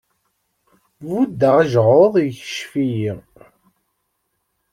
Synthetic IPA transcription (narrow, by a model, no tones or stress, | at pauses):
vud̪ːəʁəʒʁoðˤjçə̥ʃfijiʁ